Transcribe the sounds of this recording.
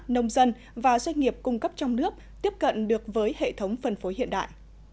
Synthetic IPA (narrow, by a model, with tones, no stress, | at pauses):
nə˧wŋ͡mzə˧n | vaː˨˩zwa˧jŋ̟ŋi˨˩əp̚kʊ˧ŋ͡mkə˦˥p̚t͡ɕɔ˧wŋ͡mnɨ˦˥ək̚t̪i˦˥əp̚kə̰˧˨nɗɨ˨˩ək̚vəː˨˦jhḛ˧˨t̪ʰə˨˦wŋ͡mfə˨˩nfo˨˦ɦḭ˧˨ənɗa̰ː˧˨jʔ